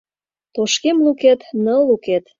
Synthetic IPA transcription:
t̪oʃkemluket̪nəluket̪

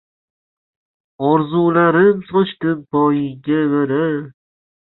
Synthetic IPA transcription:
ɒɾzulaɾɪmsɒt͡ʃt̪ɪpbɒjɪɡʲaveɾa

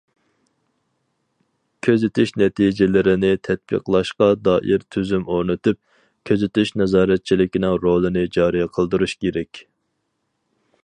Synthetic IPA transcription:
kʲʰøzɪt̪ʰyʃnɛt̪ʰid͡ʒɪlɪɾɪnɪt̪ʰɛt̪̚b̥ḭqlˠɑʃqɑd̪ɑːʔiɾt̪ʰyzymoɾnɨt̪yp̚ | kʲʰøzɪt̪yʃnɛzɑːɾɛt̪̚t͡ʃʰilɪkʲinɪŋɾolˠɨnɪd͡ʒɑːɾijɛqʰəlˠd̪uɾuʃkʲeɾɛkʲ

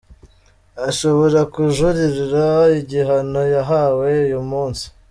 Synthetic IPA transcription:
aʃo̞βo̞ɾakuʒuɾiɾiɾaiɟiɦano̞jaɦawe̞ujumuːnsi̥

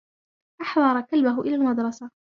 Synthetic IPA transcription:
ʔɑħðˤɑɾˤɑkalbaɦʊʔɪlaːlmɑd̪ɾˤɑsa

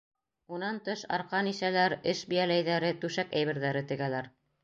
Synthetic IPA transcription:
unɑnt̪ɤʃɑ̰ɾqɑnisælæɾɘʃbijælæjðæɾɘt̪ʉʃækæ̰jβɘ̆ɾðæɾɘt̪ɘ̆ɡælæɾ

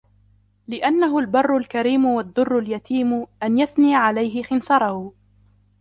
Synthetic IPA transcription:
lɪʔanːaɦʊlbɑrˤːʊlkaɾiːmʊwad̪ːʊrˤːʊljat̪ʰiːmʊʔanjaθniːaʕalajɦɪxɪnsɑɾˤɑhʊ

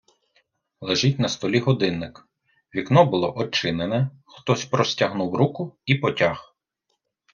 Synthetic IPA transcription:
lˠeʒitʲnɐst̪ɔlʲiɦɔd̪ɪnːɪk | ʋʲiknɔbʊlˠɔ̰ʔɔt͡ʃɪnenɛ | xt̪ɔsʲpɾɔsʲtʲɐɦnuwɾukʊipɔtʲax

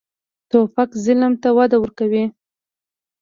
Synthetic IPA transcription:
t̪opakzɪlmt̪awad̪awəɾkawi

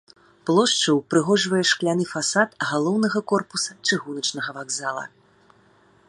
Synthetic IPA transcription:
plˠɔʂt͡ʂɐwpɾɨɣɔʐvɐjɛʂklʲan̪ɨfasat̪ɣalˠɔwnɐɣɐkɔrpusɐt͡ʂɨɣunɐt͡ʂn̪ɐɣɐvaɡzalˠɐ̰

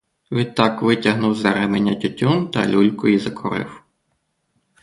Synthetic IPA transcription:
ʋʲit̪ːɑkʋɪtʲɐɦnʊwzɛɾɛmenʲːɐtʲɔtʲumt̪ɐ̰lʲulʲkɔjizɐkʰɔɾɪ̰w

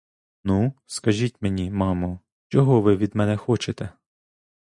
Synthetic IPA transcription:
nuskɐʒʲitʲmenʲimɑmʊ | t͡ʃɔɦɔʋɪʋʲid̪mɛnɛxɔt͡ʃet̪ɛ

